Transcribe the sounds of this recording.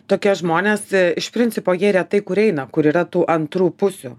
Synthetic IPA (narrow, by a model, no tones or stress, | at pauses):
t̪oːkʲiɛʒmoːnʲeːsɪʃpʲɾʲɪnʲtsʲɪpoːjiɛɾʲɛt̪ɐɪkʊɾɛɪnɐkʊɾiːɾɐt̪uːʔɐnt̪ɾuːpʊsʲuː